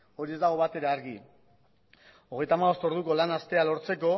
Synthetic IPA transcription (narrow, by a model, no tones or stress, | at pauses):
o̞ɾie̞zd̪aɣ̞o̞βat̪e̞ɾaaɾɣi | o̞ɣ̞e̞jt̪amaɣo̞st̪o̞ɾðuko̞lanast̪e̞alo̞ɾt͡se̞ko̞